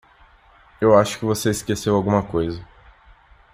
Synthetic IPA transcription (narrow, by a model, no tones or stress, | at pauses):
ewaʃʊ̥kɪvoseiskesewawɡũmɐkojzɐ